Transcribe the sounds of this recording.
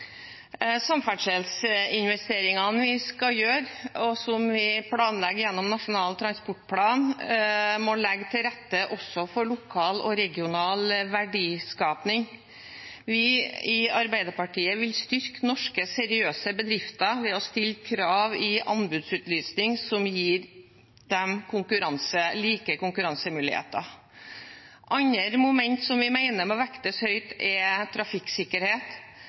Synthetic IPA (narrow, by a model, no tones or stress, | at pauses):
sɑmfæɖʂɛlsɪnʋɛst̪eːɾɪŋɑnʋɪskɑjøːɾɔsɔmʋɪpʰlɑːnlɛɡːjɛnːɔmnɑʂʊnɑːlt̪ʰɾɑnspɔʈːpʰlɑːn | mɔlɛɡːt̪ʰɪlɾɛt̪ːəʔɔsːɔfɔɭʊkʰɑːlɔ̰ɾɛɡɪʊnɑːlʋæɖiːskɑːpnɪŋ | ʋɪɪɑɾbæɪd̪əɾpɑʈiːəʋɪlst̪ʏɾknɔʂkəsɛɾɪøːsəbəd̪ɾɪft̪ɑʋɛɔst̪ɪlkʰɾɑːʋɪʔɑ̰nbʉd̪sʉːt̪lyːsnɪŋsɔmjiːɾ | d̪̥ɛmkʰʊŋkʉɾɑnsəliːkəkʊŋkʉɾɑnsəmʉːlɪhḛːt̪ɑ | ʔɑɲəɾmʊmɛnt̪sɔmʋɪmæɪnəmɛɔʋækt̪əshœʏt̪ɛt̪ʰɾɑfɪksɪkːəɾheːt̪